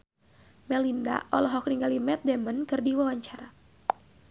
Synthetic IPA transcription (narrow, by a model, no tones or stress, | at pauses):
mɛlinda̰ʔɔlɔɦɔk̚niŋɡalimɛt̪̚dɛmənkɨrdiwawaɲt͡ʃaɾa